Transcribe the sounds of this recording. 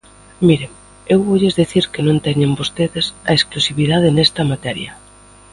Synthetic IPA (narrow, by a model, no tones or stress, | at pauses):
miɾem | ewβoʎezðiθiɾkenõnt̪ɛɲembost̪eðesɐesklusiβið̞að̞ɪnɛst̪ɐmat̪ɛɾjɐ